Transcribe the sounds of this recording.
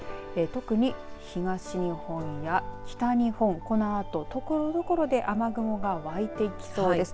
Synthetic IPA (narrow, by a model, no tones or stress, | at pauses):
et̪o̞kɯ̟ɲ̟içiɡaɕiɲ̟ihõ̞ɰ̃jakʲi̥t̪aɲ̟ihõ̞ŋko̞no̞at̪o̞t̪o̞koɾod̪o̞ko̞ɾo̞d̪e̞ʔamaɡɯ̟mo̞ɡaβait̪e̞ikʲi̥so̞ːd̪es